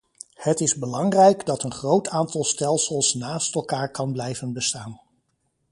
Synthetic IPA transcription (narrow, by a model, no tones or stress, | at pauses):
hətɪzbəlɑŋrɛjkdɑtənχrowtʰaːntɑlˠstɛlˠsəlˠsnaːstɛlˠkaːɹkɑnblɛjvənbəstaːn